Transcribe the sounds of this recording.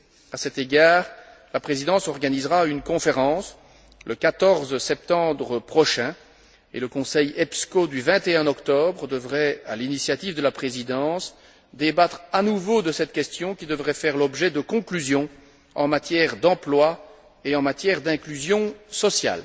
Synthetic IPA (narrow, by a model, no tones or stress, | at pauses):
asɛt̪eɡaːʁ | lapχezid̪ɑ̃sɔʁɡanizʁaynkɔ̃feʁɑ̃s | ləkat̪ɔʁzsɛp̚t̪ɑ̃bʁəpχɔʃɛ̃ | ḛləkɔ̃sɛjɛpskod̪yvɛ̃t̪eɛ̃ɔkt̪ɔbʁd̪əvʁɛa̰linisjat̪ivd̪əlapχezid̪ɑ̃s | d̪ebat̪χanuvod̪əsɛt̪kʲɛst̪jɔ̃kʲid̪əvʁɛfɛʁlɔbʒɛd̪əkɔ̃klyzjɔ̃ | ɑ̃mat̪jɛʁd̪ɑ̃plwa | eɑ̃mat̪jɛʁd̪ɛ̃klyzjɔ̃sɔsja̰l